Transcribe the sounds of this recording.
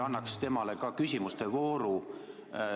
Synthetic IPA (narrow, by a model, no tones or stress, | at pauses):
ɑnːɑkst̪e̞mɑle̞kɑkysʲimust̪evo̞ːɾu